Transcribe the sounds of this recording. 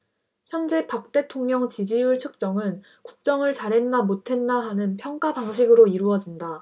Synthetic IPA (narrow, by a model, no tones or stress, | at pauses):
çjʌnd͡ʑe̞pak̚t͈e̞tʰoŋɲʌŋt͡ɕid͡ʑijuɭt͡ɕʰɯk̚t͡ɕ͈ʌŋɯn | kuk̚t͡ɕ͈ʌŋɯɭt͡ɕaɾɦe̞nːamotʰe̞nːaɦanɯnpʰjʌŋk͈apaŋɕ̬ʰiɡɯɾoiɾuʌd͡ʑinda